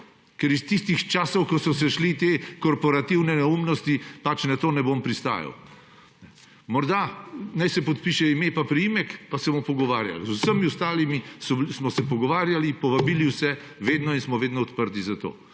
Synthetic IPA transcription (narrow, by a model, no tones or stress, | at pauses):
kɛɾist̪ist̪ixt͡ʃaːsɔwkɔsɔsɛʃlit̪ekɔɾpɔɾat̪iwnɛnɛumnɔst̪ipat͡ʃnat̪oːnɛbompɾist̪a̰ːja̰w | nɛ | mɔɾd̪anajsɛpɔt̪piʃɛimepapɾijimɛkpasɛmupɔɡɔʋa̰ːɾja̰lzusəmiust̪aːlimisɔsmɔsɛpɔɡɔʋaːɾjalipɔʋabiliwsɛ | ʋeːd̪nɔinsmɔʋeːd̪nɔːt̪pəɾt̪izat̪o̰ː